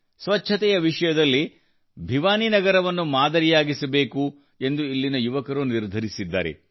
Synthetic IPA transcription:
sʋɐtːʃʰɐt̪ɛjɐʋiʂɐjɐd̪ɐlːi | bʱiʋaːninɐɡɐɾɐʋɐnːumaːd̪ɐɾijaːɡisɐbe̞ːku | e̞nd̪uilːinɐjuʋɐkɐɾuniɾd̪ʱɐɾisid̪ːa̰ːɾḛ

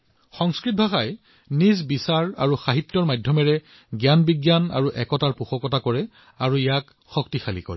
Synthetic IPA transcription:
xɔŋskɹit̚bʱaxaj | nizbisaɹa̰ɹuxaɦitːɔɹmajdʱjɔmɛɹɛ | ɡjanbiɡjana̰ɹuʔɛkɔtaɹpuxɔkɔtakɔɹɛ | aɹuijak | xɔk̚tixalḭkɔɹɛ

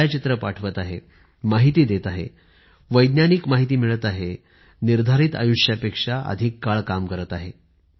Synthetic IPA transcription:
jt͡ɕit̪ɾəpaʈʰʋət̪aɦḛ | maɦit̪iːd̪et̪aɦḛ | ʋəjd̪njaniːkmaɦit̪iːmiɭət̪aɦe | niɾd̪ʱaɾiːt̪a̰juʂjapekʂaʔə̰d̪ʱikːaɭkamkəɾət̪aɦe

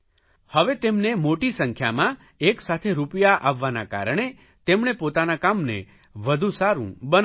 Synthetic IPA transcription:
həʋet̪emnemoʈisəŋkʰjamã | eksat̪ʰeɾupjaʔaʋːanaka̰ɾɳ̃e | t̪emɳepot̪anakamnḛ | ʋəd̪ʱũsaɾṵ̃bən

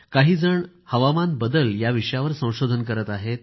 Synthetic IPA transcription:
kaɦiːd͡zəɳ | həʋamanbəd̪əljaʋiʂəjaʋəɾsə̃w̃ɕod̪ʱənkəɾət̪aɦet̪̚

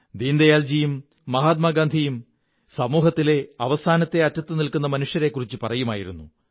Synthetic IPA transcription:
d̪iːnd̪ɐjaːld͡ʑijumː | ɐɦaːt̪̚maɡaːnd̪ʱijum | sɐmuːɦɐt̪ːileɐʋɐsaːnɐt̪ːe̞ɐtːɐt̪ːɨnilkunːɐmɐnuʂjɐɾe̞kːurit͡ɕːɨpɐrɐjuma̰ːjiɾunːṵ

